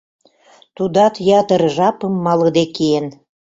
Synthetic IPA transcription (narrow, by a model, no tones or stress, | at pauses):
t̪ud̪ɑt̪jɑt̪əɾʒɑpə̆mːɑlɤd̪ekeen